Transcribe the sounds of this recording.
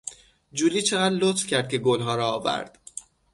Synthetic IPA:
d͡ʒuːliːt͡ʃʰe̞ɣæːd̪lot̪fcʰæɾd̪̚cʲʰe̞ɡolɦɒːɾɒːvæ̰ɾd̪̥

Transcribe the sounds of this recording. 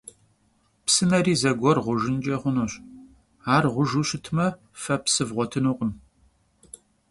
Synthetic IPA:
psɨnɐɾiːzɐɡʷɔrʁʷʊʒɪnt͡ʃʼɐχʷʊnuːɕ | aːrʁʷʊʒuːɕɪtʰmɐ | fɐpsɨvʁʷɔtʰɨnuːqʷʼʊn

